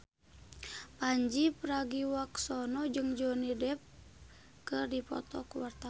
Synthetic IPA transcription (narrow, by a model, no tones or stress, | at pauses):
paɲd͡ʒipɾaɡiwaksɔnɔd͡ʒɨŋd͡ʒɔnidɛp̚ | kɨrdipɔ̰t̪ɔkuwart̪a